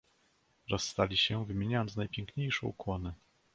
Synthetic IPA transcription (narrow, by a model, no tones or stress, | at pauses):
ɾɔsːt̪alʲiɕɛvɘmʲjeɲajɔnsnajpʲjɛŋkɲejʂɛ̰ṵkwɔnɘ